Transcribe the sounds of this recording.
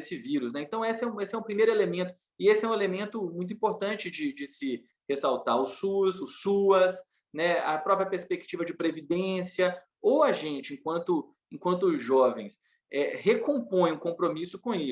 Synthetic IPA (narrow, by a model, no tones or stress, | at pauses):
esɪviɾʊs̬nɛẽt̪ɐ̃w̃esɛũesɪɛʊ̃pɾimejɾʊelemẽnt̪ʊ̥ | ɪesɪɛũelemẽnt̪ʊmũj̃t̪̬ĩpoɾt̪ɐ̃t͡ʃɪd͡ʒɪd͡ʒɪsɪ | hesawt̪aɾʊsːuzʊsːuɐs | nɛɐpɾɔpɾjɐpeɾspek̚t͡ʃivɐd͡ʒɪpɾevid̪ẽsiɐ | owɐʒẽt͡ʃɪẽkwɐ̃nt̪ʊ | ẽkwɐ̃nt̪̬ʊʒɔvḛ̃j̃s | ɛhekõpõj̃ũkõpɾomisʊkõe